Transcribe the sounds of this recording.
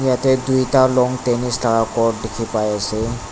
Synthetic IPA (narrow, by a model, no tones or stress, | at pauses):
jatɛdujtaɹlɔŋtenistaɹakɔddekʰipajasɛ